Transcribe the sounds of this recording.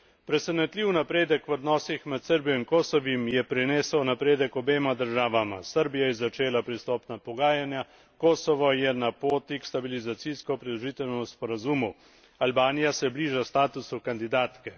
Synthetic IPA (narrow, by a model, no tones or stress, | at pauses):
pɾɛsɛnɛt̪liːwnapɾeːd̪əkʋɔd̪nɔːsixmɛt̪səɾbijɔinkoːsɔʋimjɛpɾineːsəwnapɾeːd̪əkɔbeːmad̪əɾʒaːʋama̰səɾbijajɛzat͡ʃeːlapɾist̪ɔːpnapɔɡaːjanja | koːsɔʋɔjɛnapoːt̪ikst̪abilizat̪siskɔpɾɛd̪ɔʒiːt̪ɛnɛuspɔɾazumu | albaːnijasɛjɛbliːʒast̪aːt̪usukand̪id̪aːt̪kɛ